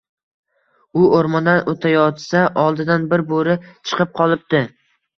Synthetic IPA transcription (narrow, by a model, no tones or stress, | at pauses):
ʊoɾmɒnd̪anot̪ʰajɒt̪saʔɒlˠd̪ɪd̪anbɪɾboɾɪt͡ʃʰɨ̥qʰɨp̚qʰɒlˠɪp̚d̪̥ɪ